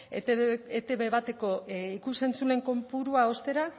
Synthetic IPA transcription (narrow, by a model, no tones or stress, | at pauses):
et̪e̞βe̞βat̪e̞ko̞ikuse̞nt͡sule̞ŋko̞mpuɾuao̞st̪e̞ɾa